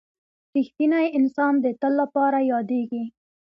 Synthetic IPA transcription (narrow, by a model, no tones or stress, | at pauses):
ɾixt̪inajɪnsɑnd̪ət̪əlːapɑɾajɑd̪eɡi